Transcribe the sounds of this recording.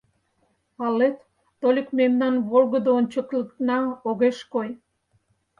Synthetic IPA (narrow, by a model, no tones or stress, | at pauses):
ɑlet̪ː | olʲekmemnɑnβolˠɣəd̪oonʲt͡ɕə̆klək̪nɑoɣeʃkoj